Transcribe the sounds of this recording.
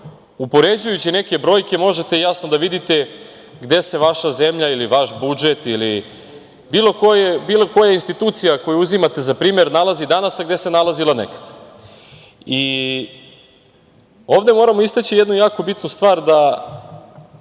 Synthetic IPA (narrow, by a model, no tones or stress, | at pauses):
upo̞ɾed͡ʑujut͡ɕine̞ke̞bɾo̞jkʲe̞mo̞ʒet̪e̞jasnod̪aʋid̪it̪e̞ | ɡd̪e̞se̞ʋaʃaze̞mʎailiʋaʃbud͡ʒe̞t̪ili | biːlˠo̞kojebiːloko̞jainst̪it̪uːt̪sijako̞juuzimat̪e̞zapɾiːme̞ɾnalˠazid̪anasaɡd̪e̞se̞nalazilanḛkḁd̪̥ | i | oːvd̪e̞mo̞ːɾamoist̪at͡ɕijed̪nujaːko̞bit̪nust̪ʋaːɾd̪a